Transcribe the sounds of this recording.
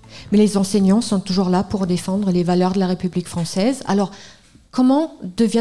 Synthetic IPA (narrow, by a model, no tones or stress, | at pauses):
mɛlezɑ̃sɛɲɑ̃sɔ̃t̪uʒuʁlapuʁd̪efɑ̃d̪ʁəlevalœʁd̪əlaʁepyblikfχɑ̃sɛza̰lɔʁ | kɔmɑ̃d̪əvjɛ̃